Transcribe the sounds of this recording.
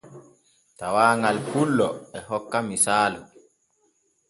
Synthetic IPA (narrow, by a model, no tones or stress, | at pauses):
tawaːŋɡalpulːɔɛɦɔkːamisaːlɔ